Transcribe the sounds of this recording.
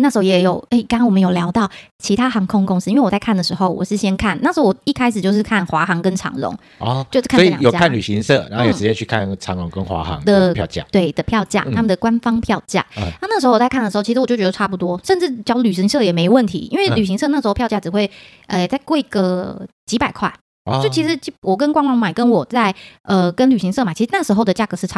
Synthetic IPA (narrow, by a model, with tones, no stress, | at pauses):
na˥˩ʂ̩ɻxo˥jɛ˨˧˥jo˨˩ʊe˥˩ɪka˥wɔ˨mə˧˦njo˨˩ljɑ˧˥ʊt̪ɑ˥˩ʊt͡ɕʰi˧˥t̪ʰa˥xɑ˧˥ŋkʰo˥˧ŋkʊ˧˥ŋs̩˥i˥nwe˥˩wt͡sa˥˧kʰa˥˩nd̪ə˩ʂɻ̩˧˦xo˥˩ʊwɔ̰˨˩ʂɻ̩˥˩ɕjɛ˥nkʰa˥˩nna˥˩ʂɻo˥wɔ˨˩i˥˩kʰa˥ɪʂɻ̩˨˩t͡ɕjo˥˧ʊʂɻ̩˥˧kʰa˥˩nxwa˧˥xɑ˧˥ŋkə˦nʈ͡ʂʰɑ̰˧˥ŋlʊ̰˧˦ŋ | ɔ˧˩t͡ɕo˥˧ʂ̩˥kʰɔ˧˥ḭ˨jo˨˧a˥kʰa˥˨nly˨˩ɕi˧˥ŋsɤ̰˥˩˨ɻa̰˨˧˦xjo˨˧˩ʂɻt͡ɕjɛ˥t͡ɕʰy˥˧kʰa̰˥˨nʈ͡ʂʰɑ˧˦ŋlʊ˧˦ŋkə˦nxwa̰˧˦˥xɑ̰˧˦ŋə˨˧pʰjɑ̰˥˧t͡ɕja̰˥˩t̪we˥˩ɪd̪ə˩pʰjɑ˥˧ʊt͡ɕja̰˥˩t̪ʰa˥mə˨d̪ə˩kwa˦nfɑ˥ŋpʰjɑ˥˧ʊt͡ɕja̰˥˩˧na˥˧na˥˩ʂɻ̩˧˥xo˥ʊ˩˨˩t͡sa˥˧kʰd̪ə˩˧xo˥˩t͡ɕʰi˧˥˧wt͡ɕjʊt͡ɕʲɛ˧d̪ə˧ʈ͡ʂʰa˥p̬u˨˩t̪wɔ˦˥ʂə˥˧nʈ͡ʂɻ̩˥˩t͡ɕju˥˧ly˨˩ɕ̬i˧˥ŋsɤ˥˩jɛ˨˩me˧˥ɪ˧wə˥˩nt̪ʰḭ˧˦ʔi˥nwe˥˩ɪly˨˩ɕ̬i˧˥ŋsɤ˥˧na˥˩ʂ̩˧˥o˥˧jɑ˥˧t͡ɕja˥˩ʈ͡ʂɻ̩˨˩xwe˥˩ɪ | ə˧t͡sa˥˧ɪkwɔ˥˩i˦˥ɡə˧t͡ɕi˧˥pa˨˩ɪkʰwa̰˥˩ɪ | t͡ɕo˥˩ʊt͡ɕʰi˧˥ʂɻ̩˧˦t͡ɕwɔ˨˩k̬ə˦nkwɑ˥ŋwɑ˥˩ŋma˨˩ɪkə˦nwɔ˨˩t͡sa˥˩ɪʔə˨˩kə˦nly˨˩ɕi˧˥ŋsɤ˥˩ma˨t͡ɕʰi˧˥ʂɻ̩˧na˥˩ʂɻ̩˧˥xo˥˩ʊd̪ə˩t͡ɕja˥˩ɡɤ˧˦ʂ̩ʰ˥˩˥